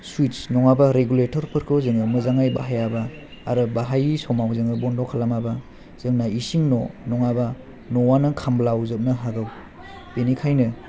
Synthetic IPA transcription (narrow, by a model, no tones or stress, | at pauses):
swit͡ʃnɔŋabaɾeɡuletɔɾpʰɯɾkʰɯzɯŋɯmɯzaŋajbaɦajabaː | ɾɯbaɦajisɔmawzɯŋɯbɔndɔkʰalamaba | z̥ɯŋnaisiŋnɔnɔŋaba | nɔwanɯkʰamblawzɯp̚nɯɦaɡɯw | benikʰajnɯ